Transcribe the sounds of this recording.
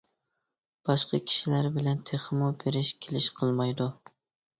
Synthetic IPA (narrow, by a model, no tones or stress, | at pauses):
b̥ɑʃqɑ̰kʲʰi̥ʃilæɾbɪlɛnt̪ʰeχmubeɾɪʃkʲʰelɪʃqʰɨlˠmɑjd̪ʊ